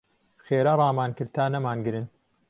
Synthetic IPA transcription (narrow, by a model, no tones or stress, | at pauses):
bxeːɾɐrˤɑːmaːnkɨɾt̪ʰaːnɐmaːnɡɨɾɨnt